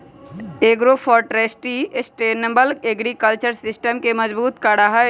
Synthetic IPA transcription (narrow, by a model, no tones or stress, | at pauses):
eːɡɾofʰɔːɾʈɾeːsʈisʈeːnəmbəlɡeːɡɾikəlt͡ʃəɾsɪsʈəmkemɐzbuːt̪kəɽaɦa